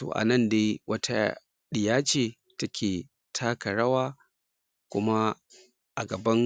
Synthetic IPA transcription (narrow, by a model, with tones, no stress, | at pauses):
to̰˨ʔa̰˨nɐ˦˨ndeː˦wʔɐ˦tʰa̰˦ | ɗɪ˨jaː˦t͡ʃeː˨ | tɐ˦kʲʰeː˨ | tʰaː˦kɐ˨ɽɐ˦waː˦ | kʷʊ̰˦ma˦ | ʔa˨ɡɐ˨bɐ˦ŋ